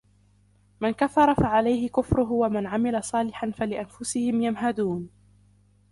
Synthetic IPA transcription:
mankafːɑɾˤɑfaʕalajhɪkʊfɾʊɦʊwamanʕamɪlasˤɑːlɪħanfalɪʔanfʊsɪhɪmjamɦad̪uːn

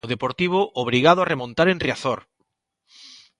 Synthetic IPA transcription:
oðepoɾt̪iβ̞ʊʔoβɾiɣaðʊaremõnt̪aɾẽnriaθoɾ

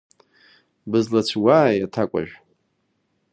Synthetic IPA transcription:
bɨzlat͡sʷʰwaːjatʰakʷʼa̰ʒᶣʷ

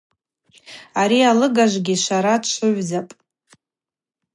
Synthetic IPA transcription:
aɾialɨɡaʒʷɡʲiʃʷaɾadʃʷʊʕʷzapʼ

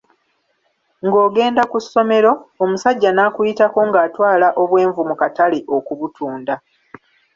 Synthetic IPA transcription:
ŋɡo̞ːɡe̞ːndakusːo̞me̞ɾo̞ːmusaɟːanaːkujitako̞ŋɡaːtwaːlaʔo̞βwe̞ːɱvumukataleʔo̞kuβutʰuːnda

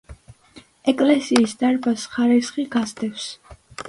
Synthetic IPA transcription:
ɛkʼlɛsiːsd̪aɾbasχaɾisχiɡazd̪ɛfs

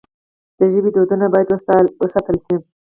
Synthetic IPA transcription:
d̪̥əʒəbid̪od̪unabɑjad̪wəwəsɑt̪əlʃi

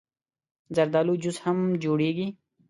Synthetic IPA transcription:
zɐɾd̪aːluːd͡ʑushɐmd͡ʑuːɽiːɡi

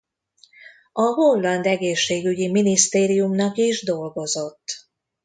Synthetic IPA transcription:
ɒɦo̞lːɒnd̪ɛɡeːʃːeːɡyɟiminist̪eːɾijumnɒkiʒd̪o̞lɡo̞zo̞t̪ː

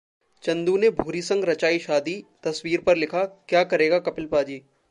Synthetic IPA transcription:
t͡ʃɐ̃nd̪unebʱuːɾisɐ̃ŋɡɾɐt͡ʃaːiʃaːd̪it̪ɐswiːɾpɐɾlɪkʰakjaːkɐɾeːɡakɐpɪlpaːd͡ʒiː

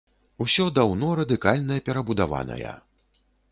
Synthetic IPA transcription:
usʲɔd̪awnɔɾɐd̪ɨkalʲnɐjɐpʲɛɾɐbud̪ava̰nɐ̰jɐ̰

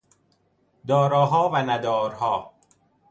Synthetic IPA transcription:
d̪ɒːɾɒːɦɒːvænæd̪ɒːɾhɒː

